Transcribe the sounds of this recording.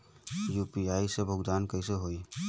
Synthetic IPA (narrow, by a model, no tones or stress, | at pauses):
jupiaisebʱʊɡd̪aːnkəɪseɦoi